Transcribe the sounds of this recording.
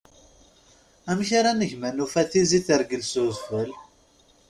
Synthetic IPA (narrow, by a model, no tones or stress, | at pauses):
æmçaɾanəʝmænufæθiziθəɾɡəlsʊzfəl